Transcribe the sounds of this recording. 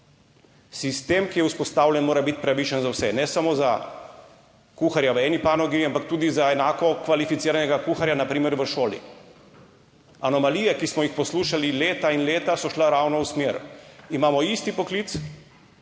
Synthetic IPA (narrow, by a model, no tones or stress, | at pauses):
sist̪eːmkijɛuspɔst̪aːwljɛnmoːɾabit̪pɾaʋit͡ʃənzawsɛnɛsamoza | kuːxaɾjaʋəɛːnipaːnɔɡiampak̚t̪uːd̪izaɛnaːkɔkʋalifit̪siːɾanɛɡakuːxaɾjanapɾiːmɛɾʋəʃoːlḭ | anɔmaliːjɛkismɔjixpɔsluːʃalileːt̪ainleːt̪asɔʃlaɾaːwnɔusmeɾimaːmɔist̪ipɔkliːt̪s